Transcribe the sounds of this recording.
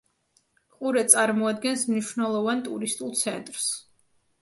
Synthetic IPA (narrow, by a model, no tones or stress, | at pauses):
qʼuɾɛt̪sʼaɾmɔad̪ɡɛnsmniʃwnɛlˠɔvant̪ʼuɾist̪ʼulˠt̪sʰɛnt̪ʼɾs